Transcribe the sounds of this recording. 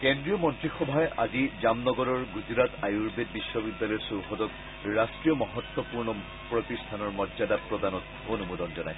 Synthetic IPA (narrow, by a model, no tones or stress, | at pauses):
kɛndɹiɔmɔntɹixɔbʱajʔa̰zizamnɔɡɔɹɔɹɡuzɹatajuɹbed̚bisːɔbidːalɔjsoɹxɔdɔk̚ | ɹastɹijɔmɔɦɔt̪ːɔpuɹnɔ | pɹɔt̪istʰanɔɹmɔdzadapɹɔdanɔt | onumodɔnzɔnaj